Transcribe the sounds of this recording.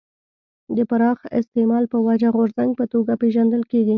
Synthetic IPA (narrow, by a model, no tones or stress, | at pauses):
d̪əpaɾɑxɪ̰st̪emɑlpəwad͡ʒaɣoɾzaŋɡ̚pət̪oɡapeʒand̪əlkeɡi